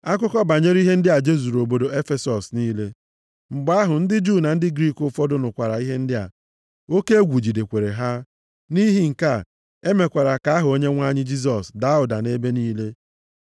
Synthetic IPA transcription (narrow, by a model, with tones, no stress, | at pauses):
a˦k̬ʊ˦kɔ˦ba˨ɲe˦ɾi˦ɦe˦n̩˦dɪ˦a˨d͡ʒe˦zu˨ɾo˨bo˨do˨e˦fe˦sɔ˨sni˦le˦ | ŋ͡m̩˨ɡ͡ba˦ɦʊ˨n̩˦dɪ˦d͡ʒu˦˨na˨n̩˦dɪ˦ɡɾi˦˨kʊ˦fɔ˦dʊ˦nʊ˨kʷa˨ɾa˨i˦ɦe˦n̩˦dɪ˦a̰˨ | o˦ke˦e˦ɡʷu˨d͡ʒi˨de˨kʷe˨ɾe˨ɦa˦ | ni˦ɦi˦ŋ̩˨ka˦˨ | e˦me˨kʷa˨ɾa˨ka˨˦ɦʊ˨o˦ɲe˦ŋʷa˦ɲɪ˦d͡ʒi˦s̬ɔ˨sda˨a˦ʊ˨da˨ne˦be˦niː˦le˦